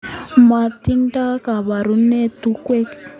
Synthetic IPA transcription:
ma˨t̪i˦ŋta˦ka˨βa˨ɾu˦ne˦tu˦kwe˦k

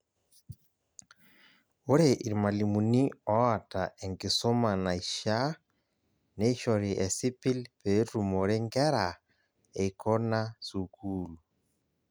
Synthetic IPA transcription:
o˦ɾe˨ʔi˨ɾi˨ma˨li˨mu˨ni˦ɔ˦a˨taʔe˨ŋɡi˨so˦ma˨na˨iʃa˦ | ne˦i˦ʃɔɾi˨ʔɛ˨si˦pi˦lpe˨˦tu˨mo˨ɾe˦ŋɡɛ˦ɾa | e˨ikʰɔ˦na˦sukʰuːlu

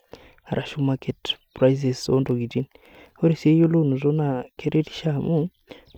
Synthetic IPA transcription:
a˨ɾʔa˨ʃu˦make˨tpɾajz̬e˨sondo˨ɡi˨d͡ʒi˦n | ho˦ɾe˨sie˦jo˦lo˦nu˨zo˦na˨ke˦ɾe˦ɾi̥ʃamu˦

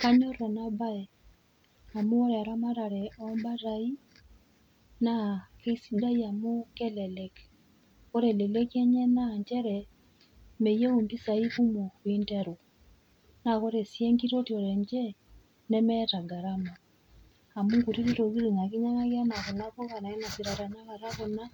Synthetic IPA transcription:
ka˦ɲɔ˦ra˨na˦ba˦ɛ˨ | a˨mu˦ɔ˦ɾɛ˨a˨ɾa˦ma˦ɾa˨ɾɛ˨ʔɔmba˦ta˦i˦ | na˦ke˦sida˦ia˨mo˦kɛ˦lɛ˨lɛk | kɔ˦ɾɛ˨lɛ˨lɛ˦ki˦ɛ˦ɲɛ˦na˦˨ɲd͡ʒɛ˦ɾɛ | me˨je˦u˨mbi˦sa˨i˦βu˦mo˨wi˦ntɛ˦ɾu˨ | na˨kɔ˦ɾe˨sjeɛ˦ŋɡi˦ɾo˦ti˨ɔ˨ɾɛ˨ɲd͡ʒɛ˦ | nɛ˦mɛta˨ɡa˨ɾa˦ma˨ | a˨mu˦ŋɡu˨ɾi˦ɾi˦ɾo˨ɣi˦ɾi˨na˨ki˦ɲa˦ŋa˦ɣa˦na˨ɣɔ˨na˦kɔ˦ka˨na˨ɛ˦na˨si˨ɾa˨ɾa˨na˦ɣa˨ɾa˦ɣɔ˨na˦

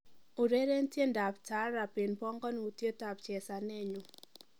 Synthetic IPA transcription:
u˨ɾe˦ɾe˦n̩˦tje˦nda˨p̚ta˨˦ɾa˨pɪ˨npɔ˦ŋkɔ˦n˨u˨tje˦ta˨p̚t͡ʃɛ˨sa˨nɛ˦˨ɲʊ˨

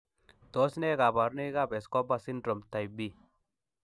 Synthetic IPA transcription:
d̪̥o˨˦sne˦ɡa˨ba˨ɾni˦ɡa˦be˨skɔ˦ba˦si˦ndɾo˨mt̪a˨jbi˦

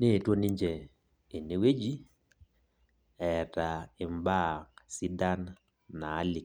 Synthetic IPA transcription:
ne˦˨two˦ni˦ɲd͡ʒɛː˨ | ne˨we˦d͡ʒi˦ | ɛ˨ta˨ɪ˨mba˦˨ŋsi˦da˦nː | aː˨˦li˨

